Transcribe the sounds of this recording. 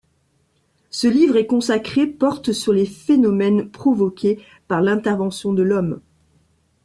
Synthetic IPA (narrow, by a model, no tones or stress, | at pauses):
səlivʁɛkɔ̃sakχepɔʁt̪syʁlefenɔmɛnpχɔvɔkʲe | paʁlɛ̃t̪ɛʁvɑ̃sjɔ̃d̪əlɔm